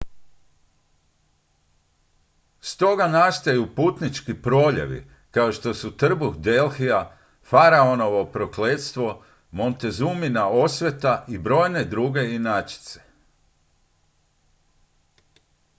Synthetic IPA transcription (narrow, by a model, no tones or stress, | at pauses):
st̪o̞ɡanast̪ajupuːt̪nit͡ʃkipɾo̞ːʎḛʋḭ | kaoʃt̪o̞sut̪r̩buxd̪e̞lˠxia | faɾao̞no̞ʋo̞pɾo̞kle̞ːt̪st̪ʋo̞ | mo̞nt̪e̞zuminao̞sʋe̞t̪aʔibɾo̞ːjne̞d̪ɾuːɡe̞inat͡ʃi̥t̪se̥